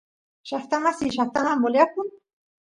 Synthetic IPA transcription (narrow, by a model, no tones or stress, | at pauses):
ʃaft̪amasiʃaft̪amamolakʊŋ